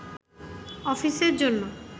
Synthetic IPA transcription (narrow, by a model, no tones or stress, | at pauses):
ɔfiseɾd͡ʑonːo